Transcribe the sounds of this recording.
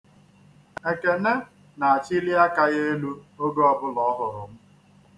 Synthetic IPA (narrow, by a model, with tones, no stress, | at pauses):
e˨ke˨ne˦ | na˨a˨t͡ʃi˦li˦a˦ka˦ɣe˦e˦lu˦o˦ɡo˦ɔ˨bʊ˦lɔ˨˦ɦʊ˨ɾʊ˨m̩˦